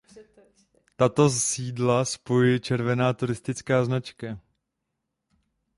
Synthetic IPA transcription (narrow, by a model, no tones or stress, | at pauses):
t̪at̪o̞siːdlaspojujt͡ʃɛɾvɛnaːt̪uɾɪst̪ɪt͡skaːznat͡ʃka